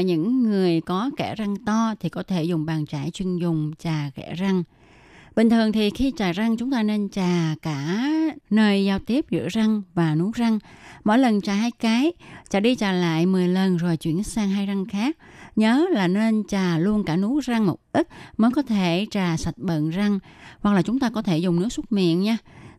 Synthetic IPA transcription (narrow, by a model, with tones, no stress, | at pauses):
ɲɨ̰˧˥ŋːɨ˨˩əjkɔ˨˦kɛ˧˩za˧ŋt̪ɔ˧t̪ʰi˨˩kɔ˨˦t̪ʰe˧˩zʊ˨˩ŋ͡mɓaː˨˩ŋt͡ɕaː˧˩jt͡ɕwi˧˩ənzʊ˨˩ŋ͡mt͡ɕaː˨˩kɛ̰˧˩za˧ŋ | ɓï˨˩ŋ̟t̪ʰɨ˨˩əŋt̪ʰi˨˩xi˧t͡ɕaː˨˩za˧ŋt͡ɕʊ˨˦ŋ͡mt̪aː˧ne˧nt͡ɕaː˨˩kaː˧˩nəː˧˩jzaː˧wt̪i˦˥əp̚zɨ̰˧˥əza˧ŋvaː˨˩nu˨˦za˧ŋmo̰˧˨jlə˨˩nt͡ɕaː˨˩ɦaː˧jkaː˨˦jt͡ɕaː˨˩ɗi˧t͡ɕaː˨˩la̰ː˧˨jmɨ˨˩əjlə˨˩nzo˨˩jt͡ɕwḭ˧˩ən̚˦˥saː˧ŋɦaː˧jza˧ŋxaː˦˥k̚ɲəː˨˦laː˨˩ne˧nt͡ɕaː˨˩lu˧ənkaː˧˩nu˨˦za˧ŋmo˨˩t̚ʔi˦˥k̚məː˨˦jkɔ˨˦t̪ʰe˧˩t͡ɕaː˨˩sa˨˩t̚ɓə̰˧˨nza˧ŋwa˨˩k̚laː˨˩t͡ɕʊ˨˦ŋ͡mt̪aː˧kɔ˨˦t̪ʰe˧˩zʊ˨˩ŋ͡mnɨ˦˥ək̚su˦˥t̚mḭ˧˨ənɲaː˧